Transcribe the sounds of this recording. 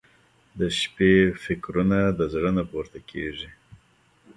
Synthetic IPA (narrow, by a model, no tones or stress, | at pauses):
d̪əʃpefɪkɾunad̪əzɽənapoɾt̪akʰḛʐi